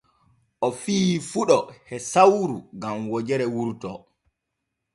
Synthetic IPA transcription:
ʔɔfiːfuɗɔhɛsawɾuɡamwɔd͡ʒɛɾɛwuɾtɔ

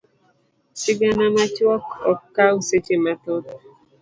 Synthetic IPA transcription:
sɪɡanamat͡ʃwɔkɔkːauset͡ʃematodo

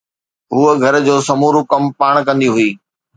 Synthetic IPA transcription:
ɦuːəɡʱɐɾd͡ʑoːsɐmuːɾukɐmpaːɽ̃kɐ̃nd̪iɦʊiː

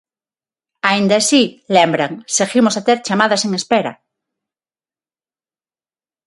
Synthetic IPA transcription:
aind̪asilembɾaŋseɣimosat̪eɾt͡ʃamaðase̞ŋespeɾa̰

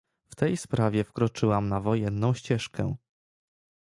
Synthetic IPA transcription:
ft̪ɛjspɾavʲjɛfkɾɔt͡ʂɘwamnavɔjɛnːɔ̃w̃ɕt͡ɕɛʂkɛ

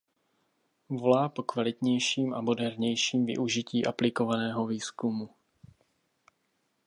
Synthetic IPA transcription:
volaːpokvalit̪ɲɛjʃiːma̰mɔdɛɾɲɛjʃiːmvḭʔuʒiciːʔaplikovanɛːɦɔviːskumu

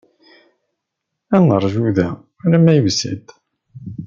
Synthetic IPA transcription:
ænəɾˤʒuðæ | æɾæmæjəvsḭd̪

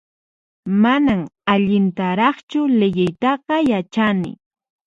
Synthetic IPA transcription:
manamaʎɪnt̪aɾɑχt͡ʃʊlejɪjt̪ɑqɑjat͡ʃanɪ̰

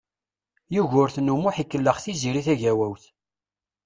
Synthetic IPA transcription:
juʝʊɾθnumʊħikːəlːəχθiziɾiθæʝæwæwθ

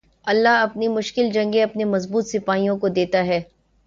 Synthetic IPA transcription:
ɐlːaɦɐpnimʊʃkɪld͡ʒɐ̃ŋɡẽɐpnemɐzbuːt̪sɪpaːijõkod̪eːt̪aɦɛː

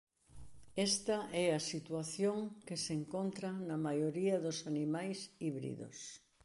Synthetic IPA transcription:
ɛst̪ɐʔɛɐsit̪waθjoŋkeseŋkont̪ɾɐnɐmajoɾiɐðosanimajsiβɾḭðo̰s

